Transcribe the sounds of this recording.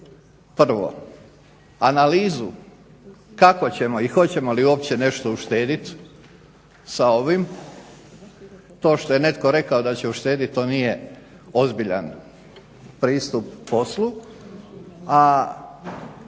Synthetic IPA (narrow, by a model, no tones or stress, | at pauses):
pr̩ʋo̰ | analiːzu | kako̞t͡ɕe̞mo̞ixo̞t͡ɕe̞mo̞liuoːp̚t͡ɕe̞ne̞ʃt̪o̞uʃt̪e̞ːd̪it̪ | sao̞ʋim | t̪o̞ːʃt̪o̞je̞ne̞t̪ko̞ɾe̞kao̞d̪at͡ɕe̞uʃt̪e̞ːd̪it̪̚ːo̞ːnije̞ | o̞zbiʎa̰n | pɾiːst̪uppo̞slu | a